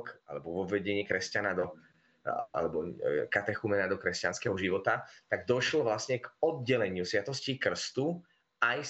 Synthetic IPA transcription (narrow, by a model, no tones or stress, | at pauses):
ka̰lɛbɔʋɔbːɛɟɛɲɪiːkɾɛscanad̪ɔ | a̰lɛbɔkat̪ɛxumɛnad̪ɔkɾɛscanskɛɦɔʒiʋɔt̪at̪aɡ̚d̪ɔʃlɔʋlasɲɛɡɔd̪̚ɟɛlɛɲɪusʋat̪ɔscikr̩st̪u | aj